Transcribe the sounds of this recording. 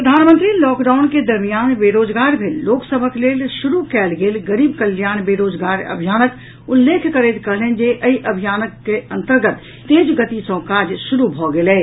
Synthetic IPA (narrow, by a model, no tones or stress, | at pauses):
pɾəd̪ʱaːnmə̃nt̪ɾilɔːkɖaːʊnked̪ɐɾmijaːnbeːɾoːd͡ʒɡaːɾbʱiloːksəbʱəkleːlʃʊɾukɛːlɡeːlɡəɾiːbkəljaːnbeːɾoːd͡ʒɡaːɾɐ̰bʱijaːnək | ʊlːeːkʰkəɾeːt̪kɐɦlend͡ʒeʔɐiʔɐbʱijaːnəkːeɐ̃nt̪əɾɡət̪ | t̪ːeːd͡ʒɡət̪isõkaːd͡ʒʃʊɾubʱɔɡeleː